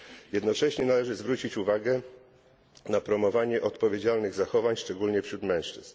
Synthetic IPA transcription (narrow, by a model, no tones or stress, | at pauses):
jɛd̪nɔt͡ʂɛɕɲɛnalɛʐɘzvɾut͡ɕit͡ɕuvaɡɛ | napɾɔmɔvaɲɛʔɔt̪pɔvʲjed͡ʑalnɘɣzaxɔvaɲʂt͡ʂɛɡulɲɛfɕɾut̪mɛ̃w̃ʂt͡ʂɘs